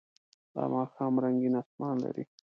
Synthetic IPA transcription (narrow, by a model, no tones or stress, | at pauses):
d̪̥ɑ̰mɑːxɑːmɾaŋɡinasmɑnla̰ɾḭ